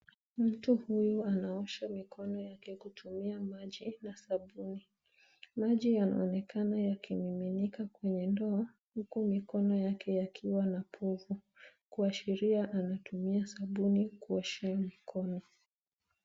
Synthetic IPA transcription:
m̩tuhujuanaɔʃamikʰɔnɔjakɛkutʰumiamaʄinasaɓuni | maʄijana̰ɔnɛkʰanajakʰimiminikakwɛɲɛndɔa | hukumikɔnɔjakʰɛjakʰiwanapʰɔvu | kuaʃiɾiaʔanatumiasaɓunikuɔʃiamikʰɔnɔ

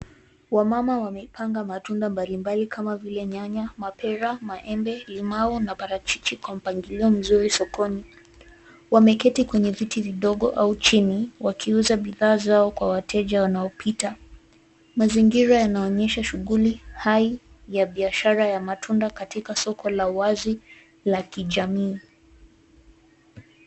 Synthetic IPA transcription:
wamamawamɛipʰaŋɡamatundambalimbalikʰamavilɛɲaɲamapɛɾamaʔɛmbɛlimaɔnapaɾat͡ʃit͡ʃikwam̩paŋɡiliɔm̩zuɾisɔkɔni | wamɛkɛtikwɛɲɛvitiviɗɔɠɔʔaut͡ʃiniwakʰiuzaɓiðaːzaɔkwawatʰɛʄawanaɔpʰita | maziŋɡiɾajanaɔɲɛʃaʃuɣulihai | jaɓiaʃaɾajamatʰundakatikasɔkʰɔlauwazi | lakiʄamiː

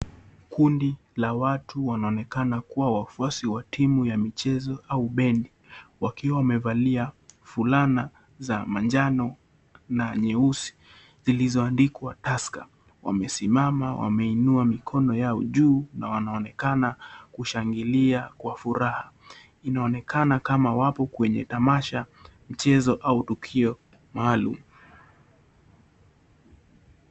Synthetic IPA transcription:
kundi | lawatʰuwanaɔnɛkanakuwawafuasiwatʰimujamit͡ʃɛzɔauɓɛndi | wakiwawamɛvaliafulana | zamand͡ʒanɔ | naɲɛusi̥ | zilizɔandikwataska | wa̰mɛsimamawʔa̰mɛinuamikʰɔnɔjaɔʄuːnawanaɔnɛkanakuʃaŋɡiliakwafuɾaha | inaɔnɛkʰanakamawapɔkwɛɲɛ̰tamaʃam̩t͡ʃɛzɔʔautukʰiɔ | maːlṵmu

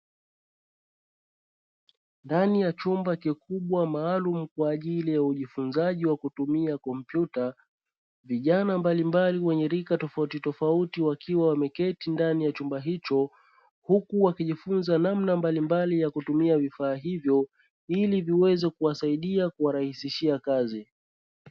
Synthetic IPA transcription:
ndanijat͡ʃumbakikuɓwamaːlum̩kwaːʄilijauʄifunzaʄiwakutumiakɔmpjuta | viʄanambalimbaliwɛɲɛɾikatɔfautitɔfautiwakiwawamɛkɛtindanijat͡ʃumbaɦit͡ʃɔ | hukuwakiʄifunzanamnambalimbalijakutumiavifaːɦivjɔ | iliviwɛzɛkuasaiɗiakuwaɾahisiʃiakazi

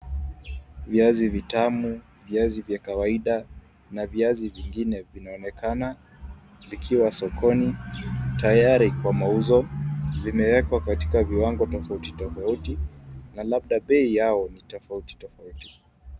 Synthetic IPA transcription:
viazivitamu | viazivjakawaiɗa | naviaziviŋɡinɛvinaɔnɛkʰana | vikʰiwasɔkʰɔnitajaɾikwamauzɔvimɛwɛkwakati̥kaviwaŋɡɔtɔfautitɔfautinalaɓ̚ɗaɓɛijaɔnitɔfauti̥tɔfauti̥

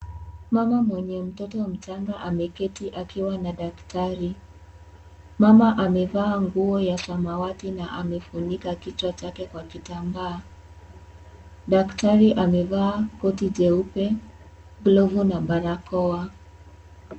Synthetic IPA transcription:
mamamwɛɲɛm̩tɔtɔm̩t͡ʃaŋɡaʔamɛkɛtiʔakiwanaɗaktaɾi | mamaʔamɛvaːŋɡuɔjasamawatinaʔamɛfuɲikakit͡ʃwat͡ʃakɛkwakitambaː | ɗaktaɾiʔamɛvaːkɔtid͡ʒɛupɛ | ɡlɔvunabaɾakɔa

